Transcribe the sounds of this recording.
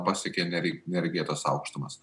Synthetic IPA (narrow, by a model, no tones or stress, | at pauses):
pɑsʲɛkʲeːɛnʲɛnʲɛɾʲɡʲɪɛt̪ɐsɑ̰ʊkʃt̪ʊmɐs